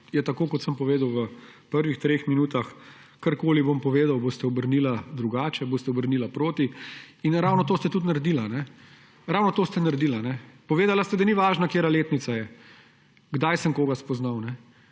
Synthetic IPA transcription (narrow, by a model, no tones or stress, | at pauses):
jɛt̪akoːkɔt̪səmpɔʋeːd̪əwʋəpəɾʋixt̪ɾexminuːt̪axkaɾkoːlibompɔʋeːd̪awboːst̪ɛɔbəɾniːlad̪ɾuɡaːt͡ʃɛboːst̪ɛɔbəɾniːlapɾoːt̪iinɾawnɔt̪oːst̪ɛt̪ut̪̬naɾd̪iːlanɛ | ɾawnɔt̪oːst̪ɛnaɾd̪iːlanɛpɔʋeːd̪alast̪ɛd̪ɐniʋaːʒnakeːɾaleːt̪nit̪sajɛ | ɡd̪ajsəmkoːɡaspɔznawnɛ